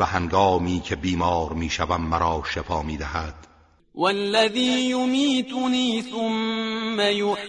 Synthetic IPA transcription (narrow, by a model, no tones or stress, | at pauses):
æhæŋɡɒːmiːcʰe̞biːmɒːɾmiːʃævæmːæɾɒːʃefɒːmiːd̪æhæd̪̥ | walːaðiːjʊmiːt̪ʊniːθʊmːajʊ